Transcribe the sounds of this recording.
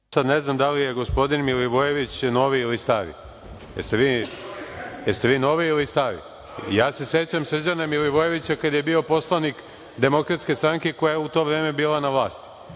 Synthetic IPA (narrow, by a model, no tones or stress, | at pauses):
sad̪neznamd̪alijeɡospo̞d̪inmiliʋojeʋit͡ɕno̞ʋiilist̪aʋḭ | jest̪eʋiː | jest̪e̞ʋiːno̞ːʋiːlist̪aɾḭ | jaːse̞se̞t͡ɕamsr̩d͡ʑanamiliʋoje̞ʋit͡ɕakad̪je̞biːo̞po̞slˠanik | d̪e̞mo̞kɾat̪ske̞st̪ɾaŋkeko̞jajeut̪o̞ːʋɾe̞ːme̞biːlˠanaʋlˠaːst̪